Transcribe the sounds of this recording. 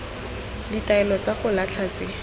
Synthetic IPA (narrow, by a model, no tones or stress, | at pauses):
ditaɛlɔt͡saχʊlat͡ɬʰat͡sɪ